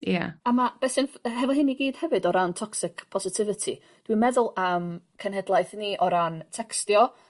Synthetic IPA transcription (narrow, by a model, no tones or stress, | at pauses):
ja̰amab̥ɛsɨnɦɛvɔlˠɦɪniɡiːd̥hɛvɨdɔɾantʰɔksɪkʰpʰɔsɪtʰɪvɪtʰḭ | d̥wimɛðʊlˠəmkʰənhɦɛdlˠajθniʔɔɾantʰɛkstjɔ